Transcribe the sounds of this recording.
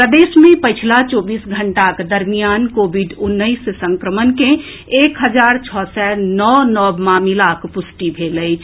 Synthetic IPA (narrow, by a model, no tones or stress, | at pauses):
pɾəd̪esmẽpəjt͡ʃʰilat͡ʃobisɡʱəɳʈaked̪əɾmijankobʱiɖunːəɪssə̃ŋkɾəmənkẽː | kɦəd͡ʒaɾt͡ʃʰɔsɛnɔnɔbmamilakpusʈibʱeləɪt͡ʃʰ